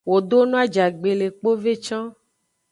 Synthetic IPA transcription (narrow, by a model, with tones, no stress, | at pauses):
wo˨d̪o˦nũ˦a˦d͡ʒa˨ɡ͡be˨le˨k͡po˦ve˦t͡ʃɔ̃˦